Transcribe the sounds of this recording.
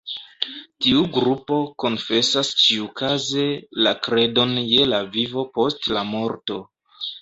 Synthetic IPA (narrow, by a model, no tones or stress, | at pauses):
tiuɡɾupo̞ko̞nfe̞sast͡ʃiukaze̞lakɾe̞do̞nje̞lavivo̞po̞stlamo̞ɾto̞